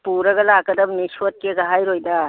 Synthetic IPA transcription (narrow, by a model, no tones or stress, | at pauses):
puɾɐɡɐlakɐdɐbniswot̚keɡɐɦajɾojdɐ